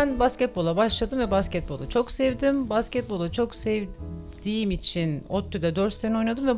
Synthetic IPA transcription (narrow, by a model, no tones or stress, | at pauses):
nbascɛt̪̚bo̞lˠabaʃlˠad̪ɯmvɛbascɛt̪̚bo̞lˠat͡ʃʰo̞ksɛvd̪imbascɛt̪̚bo̞lˠat͡ʃʰo̞ksɛv | d̪̥ijmit͡ʃʰinot̪ʰːyd̪ɛd̪øɾt̪senɛo̞jnad̪ɯmvɛ